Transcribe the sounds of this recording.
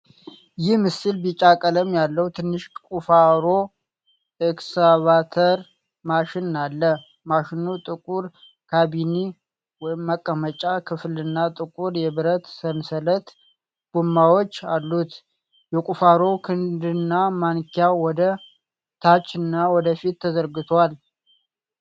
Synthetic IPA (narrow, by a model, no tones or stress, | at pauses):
jɪhmɨsɨlbit͡ʃʼakʼələmjalːəhut̪ʰɨnːɨʃkʼufaɾo̞ | eksaβat̪ʰəɾ | maʃɪnːalːə | maʃɪnut̪ʼɨkʼuɾ | kʰabini | wɔjɪmːəkʼːəmət͡ʃʼakʰɨflɨnːat̪ʼɨkʼuɾjɛβɨɾət̪sənsələt̪ | ɡ̥umːawo̞t͡ʃːalːut̪ | jɛkʼufaɾo̞kʰɨnd̪ɨnːamankʰjawɔd̪ə | t̪ʰat͡ʃʼːɨnːawɔd̪əfit̪ːəzəɾɡɨt̪ʰwal